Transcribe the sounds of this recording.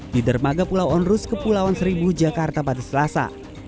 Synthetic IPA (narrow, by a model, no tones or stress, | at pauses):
didərmaɡapulawɔnrʊskəpulawansəɾibud͡ʒakart̪apadasəlasa̰